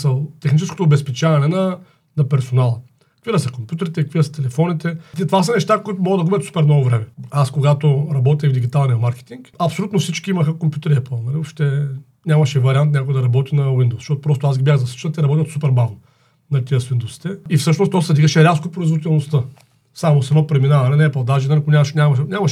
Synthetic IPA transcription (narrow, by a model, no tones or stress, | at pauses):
sɐlˠt̪ɛxnit͡ʃɛsko̥t̪oːbɛspɛt͡ʃavɐnɛnɐ | nɐpɛɾsonalˠɐ | kvid̪ɐsɐkompjut̪ɛɾit̪ɛkkviəst̪ɛlɛfɔnit̪ɛt̪t̪ovas̬ɐnɛʃt̪akoit̪ʊmɔɡəd̪ɐɡubʲɛt̪su̥pɛɾnɔvovɾɛmɛaskoɡat̪oɾɐbɔt̪̬ʲivd̪iɡʲit̪alˠnijɐmaɾkɛ̥t̪iŋkɐpsolʲut̪nofsit͡ʃkʲiimɐxəkompjut̪ɛɾiɛplˠnɐliɔpʃt̪ɛ | nʲamɐʃɛvɐɾʲiant̪nʲakoɡɛd̪ɐɾɐbɔt̪inɐwind̪oʊsʃɔt̪opɾɔst̪ʊazɡʲibʲjaxɣzɐsi̥t͡ʃnət̪ɛɾɐbɔt̪ʲət̪supɛɾbavno | nɐt̪iəsvind̪owsi̥t̪ɛifsɤʃnost̪ɔsɐd̪iɡəʃɛɾʲapskopɾoizvoit̪ɛlˠnost̪ə | samosɛd̪ɔpɾɛminavɐnɛnɛplˠd̪aʒɛnalʲiknʲamʃnʲamɐnʲamɐʃ